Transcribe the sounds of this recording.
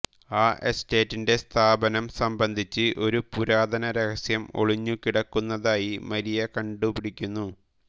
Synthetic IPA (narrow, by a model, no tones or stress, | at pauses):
aːʔeste̞ːtːinde̞st̪ʰaːbɐnɐmsɐmbɐnd̪ʱit͡ɕːɨʔo̞ɾupuɾaːd̪ɐnɐɾekɐsjɐmo̞̰ɭiɲːukiɽɐkːunːɐðaːjimɐɾijɐkɐɳɖupiɽikʲːunːu